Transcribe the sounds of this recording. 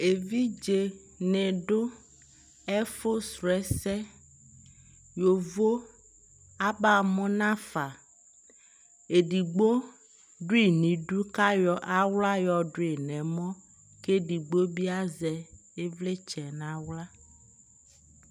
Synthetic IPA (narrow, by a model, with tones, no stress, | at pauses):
e˨vi˦d͡ʒe˨ | nɛ̃˨ɖo˦ | ɛ˦fo˦sɾɛ˨sɛ˦ | jo˨vo˦ | a˦ba˦˨mɔ̃˦nã˦fa˨ | e˨ɖi˨ɡ͡bo˦ | ɖu˦i˨nĩ˨ɖu˦ka˦jɔ˨ʔa˦wla˦jɔ˨ɖo˦e˨nɛ̃˨mɔ̃˦ | ke˦ɖi˨ɡ͡bo˦bi˦a˦zɛ˨ | e˦vle˦t͡ʃɛ˨nã˨wla˦